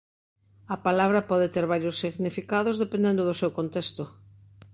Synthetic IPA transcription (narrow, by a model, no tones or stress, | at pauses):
ɐpalaβ̞ɾɐpɔðet̪eɾβaɾjosːiɣnifikaðozðepẽnd̪ẽnd̪ʊðʊsewkont̪est̪ʊ